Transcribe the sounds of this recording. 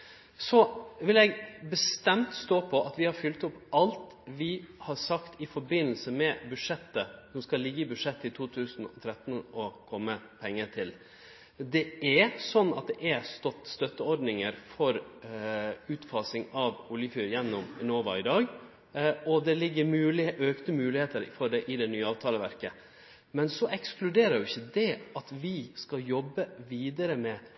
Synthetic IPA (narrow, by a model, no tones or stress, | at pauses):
sɔʋɪlɛɡbəst̪ɛmt̪st̪oːpʰɔʔɑt̪ʋɪhɑɾfʏlt̪ʊpɑlt̪ | ʋɪhɑɾsɑkt̪ɪfɔɾbɪnːl̩səmɛbʉʂɛt̪ːəsɔmskɑlːɪɡːəɪbʉd̪ʂɛt̪ːəɪt̪ʰuːt̪ʰʉːsnɔ̰t̪ʰɾɛt̪nɔkʰɔmːəpʰɛŋːət̪ʰɪl | d̪ɛɛsɔnːɑt̪̚d̪ɛʔæɾst̪ɔt̪st̪œt̪ːəɔɾɖnɪŋəɾfɔɾ | ʉːt̪fɑsɪŋɑʋʊljəfyːɾjɛnːɔmnoːʋɑ̰ɪd̪ɑːɡ | ɔd̪ɛlɪɡːəɾmʉːlɪʔøːkt̪əmʉːlɪheːt̪əɾfɔɖɛʔɪd̪ɛnyːəɑːʋt̪ʰɑːləʋæɾkə | mɛnsɔʔɛksklʉd̪eːɾəɾjʊɪçːəd̪ɛʔɑt̪ʋɪskɑjɔbːəʋiːd̪əɾəmɛ